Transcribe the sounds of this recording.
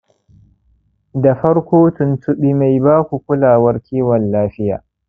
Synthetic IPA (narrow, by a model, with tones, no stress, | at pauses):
da˨ɸɐ˦ɽkʷoː˦tʊ˨ntʰʊ˦ɓi˦ma˨jbaː˦kʷu˨kʷʊ˦laː˨wɐ˦rkʲʰiː˦wɐ˨nːaː˦ɸɪ˦ja̰ː˨